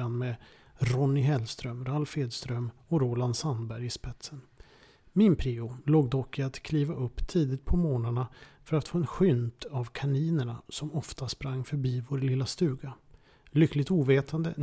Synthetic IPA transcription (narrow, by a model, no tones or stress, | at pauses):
anmɛ | ɾɔnːɪɦɛlst̪ɾœmɾalfeːd̪st̪ɾœmɔɾoːland̪sanbæɾjɪspɛt̪sən | mɪnpʰɾiːʊloːɡd̪ɔkːɪat̪kʰliːvaʔɵpːt̪ʰiːd̪ɪt̪̚pʰɔmoːnaɳafœɾat̪foːɛnɧʏnt̪ʰavkʰaniːnəɳasɔmɔft̪aspɾaŋːfœɾbiːvoːɾlɪlːast̪ʉ̟ːɡa | lʏkːlɪɡt̪uːveːt̪ʰand̪ə̰